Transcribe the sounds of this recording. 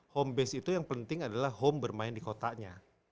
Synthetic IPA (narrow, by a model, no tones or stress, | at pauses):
hɔmbɛsit̪ujaŋpənt̪ɪŋadalahɦɔmbərmaɪndikot̪aʔɲa